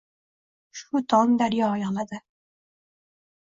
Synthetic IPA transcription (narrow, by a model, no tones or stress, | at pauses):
ʃʊt̪ʰɒnd̪aɾjɒjɒlˠad̪ɪ